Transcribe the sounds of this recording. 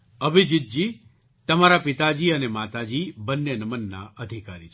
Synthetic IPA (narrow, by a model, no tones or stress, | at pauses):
əbʱid͡ʒit̪̚d͡ʒi | t̪əmaɾapit̪ad͡ʒiənemat̪ad͡ʒibənːenəmənːa̰ʔəd̪ʱikaɾi